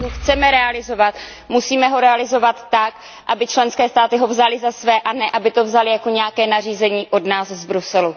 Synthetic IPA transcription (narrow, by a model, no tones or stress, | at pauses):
ɦoxt͡sɛmɛɾɛalɪzo̞vat̪ | musiːmɛɦo̞ɾɛalɪzo̞vat̪ːak | ʔabɪt͡ʃlɛnskɛːst̪aːt̪ɪɦo̞vzalɪzasvɛːʔanɛʔabɪt̪o̞vzalɪjako̞ɲɛjakɛːnariːzɛɲiːʔo̞dnaːszbɾusɛlu